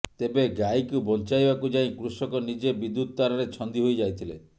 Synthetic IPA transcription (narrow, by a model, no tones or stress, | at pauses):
t̪ebeɡajkubɔnt͡ʃajbakud͡ʒaĩkɾusɔkɔnid͡ʒebid̪ut̪̚t̪aɾɔɾet͡ʃʰɔnd̪iɦojd͡ʒajt̪ʰile